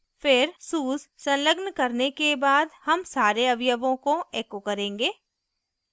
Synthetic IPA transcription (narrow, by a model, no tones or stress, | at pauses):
fʰɪɾsuːssɐ̃nləɡnkɐɾnekebaːd̪hɐmsaːɾeɐʋɪjəʋõkoeːkokɐɾẽːŋɡeː